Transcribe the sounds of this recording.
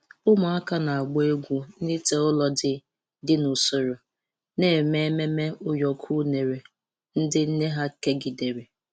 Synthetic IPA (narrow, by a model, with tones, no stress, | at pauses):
ʊ˦ma˨a˦ka˦na˨a˨ɡ͡bɔ˦e˦ɡʷu˦ni˦te˦ʊ˦lɔ˨dɪ˨ | dɪ˦nʊ˨sʊ˨ɾʊ˨ | ne˦˨me˦me˦me˦ʊ˦jɔ˨kʰu˦ne˨ɾe˨ | n̩˦dɪ˦n̩˦ne˦ɦa˦ke˦ɡɪ˨de˨ɾe˨